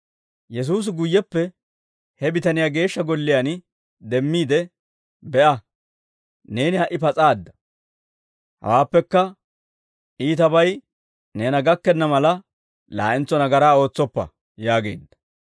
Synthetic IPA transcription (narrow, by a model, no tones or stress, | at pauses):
jɛs̬uːs̬ɪɡʊjːɛpːɛ | hɛbɪt̪ɐnɪjaːɡe̞ːʃːɐɡɔlːɪjan | d̪ɛmːiːd̪ɛ | bɛʔɐ | ne̞ːnɪhɐʔɪpɐt͡sʼaːd̪ːɐ̥ | hɐ̰waːpːɛkːɐ | iːt̪ɐbɐj | ne̞ːnɐɡɐkːɛnːɐmɐlɐ | la̰ːʔɪnt͡sːɔnɐɡɐɾaːo̞ːt͡sːɔpːɐ̰ | jaːɡe̞̰ːd̪ːɐ̥